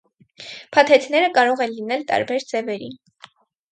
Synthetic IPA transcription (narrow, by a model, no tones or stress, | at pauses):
pʰɑt̪ʰɛt̪nɛɾəkɑɾɔʁɛnlinɛlt̪ɑ̰ɾbɛɾd͡zɛvɛɾi